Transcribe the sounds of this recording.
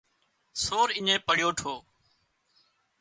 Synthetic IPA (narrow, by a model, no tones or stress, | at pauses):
soːɾɪɲẽːpəɽjoːʈʰoː